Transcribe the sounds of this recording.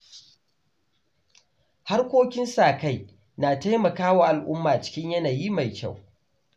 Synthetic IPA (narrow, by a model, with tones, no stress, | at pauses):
ha˦rkʷoː˦kʲɪ˦nsaː˨ka˦j | naː˨ta˦jmɐ˨kaː˦waː˨ʔa˨lʔʊ˦mːaː˨t͡ʃɪ̥˦kʲɪ˦ɲjɐ˦naː˨ji˦ma˨jkʲa̰˦˨w